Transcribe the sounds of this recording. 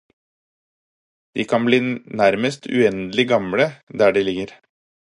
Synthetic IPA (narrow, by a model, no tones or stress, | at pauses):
d̪̥iːkʰɑnbliːnæɾməst̪ʰʉ̰ɛnd̪lɪɡɑmɽəd̪æːɖiːlɪɡəɾ